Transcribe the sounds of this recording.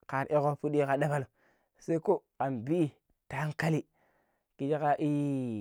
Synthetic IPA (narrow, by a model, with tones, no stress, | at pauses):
ka˨ɾʔe˦ko˦pu˦ɗi˦ka˨ɗa˦ba˦lo˨ | se˦i˦ko˦ka˨nbi˦˨ | ta˦ŋka˦li˦ | ki˨d͡ʒe˦ka˦ʔi˦